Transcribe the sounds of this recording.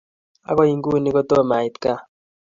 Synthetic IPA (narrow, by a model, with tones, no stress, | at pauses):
a̰˦kɔ˦i˨ŋɡu˦˨ni˦ko˦to˦˨ma˨i˨t̪ka˦